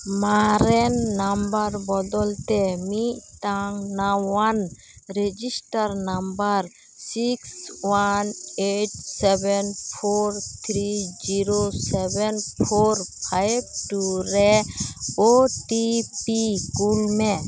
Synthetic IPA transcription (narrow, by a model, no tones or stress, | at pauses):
maɾɛnːambaɾbɔd̪ɔlt̪ɛmiʔʈaŋnawan | ɾed͡ʒisʈaɾnambaɾ | sikswaneʈ̚sɛbɛnpʰoɾt̪ʰɾid͡ʒiɾosɛbɛnpʰoɾpʰajb̚ʈuɾɛ | oʈipikulmɛ